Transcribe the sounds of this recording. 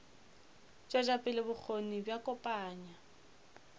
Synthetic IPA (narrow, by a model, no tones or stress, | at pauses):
t͡ʃʼad͡ʒapʼɪlɪbʊk͡xʰonibjakʼɔpʼaːɲa